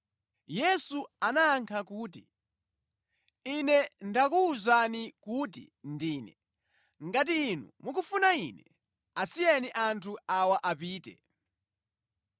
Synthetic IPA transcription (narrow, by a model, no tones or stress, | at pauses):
jɛsuanaːŋkʰakuːt̬i | inɛndakuːzanikuːt̬ḭ | ndiːnɛ | ŋɡat̬iːnṵmukufunainɛ | asijɛniʔantʰuawaʔapiːtɛ̰